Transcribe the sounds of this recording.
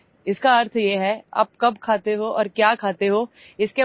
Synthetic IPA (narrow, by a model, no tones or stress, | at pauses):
ɪskaɐɾt̪ʰjeːɦɛa̰ːp̚kɐbkʰaːt̪eɦoʔɔːɾkjaːkʰaːt̪eɦoː | ɪske